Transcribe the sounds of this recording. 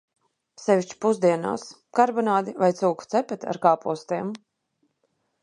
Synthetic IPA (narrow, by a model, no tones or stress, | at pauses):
sɛviʃt͡ʃu̥puzd̪iɛna̰ːs | kaɾbɔnaːd̪ivajt̪suːku̥t̪sɛpɛt̪ʲa̰ɾkaːpuɔst̪iɛm